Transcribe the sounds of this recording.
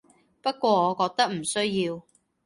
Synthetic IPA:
pɐ˥t̚kʷɔː˧ɔː˨˧kɔː˧k̚t̪ɐ˥k̚m̩˨˩sɵ˥ɥjiː˧w

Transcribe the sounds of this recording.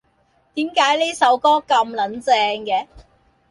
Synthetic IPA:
t̪iː˨˥mkaː˨˥jliː˥sɐ˨˧wkɔː˥kɐ˧mlɐ˨˥nt͡sɛː˧ŋkɛː˨˧

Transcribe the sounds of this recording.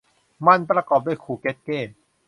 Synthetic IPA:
ma˧npɾa˧kɔː˨˩p̚duː˥˩˨jkʰuː˨˩ke˦˥t̪̚keː˥˩n

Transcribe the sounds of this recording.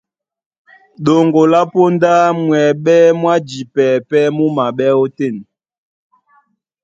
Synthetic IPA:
ɗo˨ŋɡo˨la˦po˦nda˦mwɛ˨ɓɛ˦mwa˦d͡ʒi˨pɛ˨pɛ˦mu˦ma˨ɓɛ˦o˦te˦˨n

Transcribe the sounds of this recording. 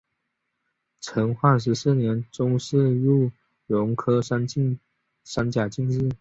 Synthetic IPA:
ʈ͡ʂʰə˧˥ŋxwa˥˩ʂ̬ɻ̩˧˥s̩˥˩njɛ˧˥nʈ͡ʂʊ˥ŋʂɻ̩˥˧lu˥˩ | lʊ˧˥ŋkʰɤ˥ʂa˥ni˥ | ʂa˥nt͡ɕja˨˩t͡ɕi˥˧ŋɻ̩˥˩

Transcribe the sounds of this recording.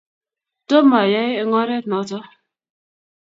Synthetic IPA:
to˦ma˨ja˦e˦ŋɔ˦ɾe˦nɔ˨˦tɔ˦

